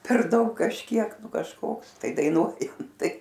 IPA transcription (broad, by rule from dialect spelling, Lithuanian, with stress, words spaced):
pʲɛr ˈdɐʊk kɐʃʲˈkʲiɛk ˈnʊ kɐʃˈkoːks tɐɪ dɐɪˈnuɔjɛm ˈtɐɪ